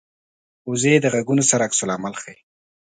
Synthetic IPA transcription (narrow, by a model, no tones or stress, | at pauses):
uzed̪əɣaɡunosaɾaksʊlamalxaj